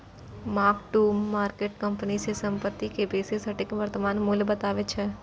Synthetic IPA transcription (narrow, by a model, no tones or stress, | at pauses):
maːkʈuːmːaːɾkeːʈkəmpənisʰesə̃mpət̪ːikebeːsesɐʈɪkʋəɾt̪əmaːnmulbət̪aːʋet͡ʃʰɛ